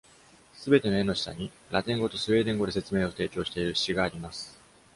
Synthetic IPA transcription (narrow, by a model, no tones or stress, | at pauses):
sɨbe̞t̪e̞no̞e̞no̞ɕi̥sa̰ɲ̟i | ɾat̪ẽ̞ŋɡo̞t̪o̞sɨe̞ːd̪ẽ̞ŋɡo̞d̪e̞se̞t͡sɨmeːo̞t̪e̞ːkʲo̞ːɕi̥t̪e̞iɾɯ̟̥ɕiɡaːɾʲimasɨ̥